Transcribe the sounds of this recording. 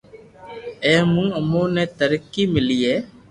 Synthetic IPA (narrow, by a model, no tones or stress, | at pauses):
ẽːmũːəmõːneːt̪əɾəkːiːmɪliːɦeː